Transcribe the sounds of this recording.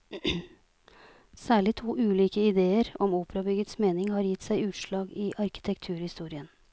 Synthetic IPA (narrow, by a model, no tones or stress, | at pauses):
sæːɭɪt̪ʰuːʔʉːliːkəɪd̪eːəɾɔmuːpəɾɑbʏɡət̪smeːnɪŋhɑːɾjɪt̪ːsæɪʉːt̪ʂɭɑːɡiːʔɑɾkɪ̥t̪ʰɛkt̪ʰʉːɾhɪst̪uːɾɪən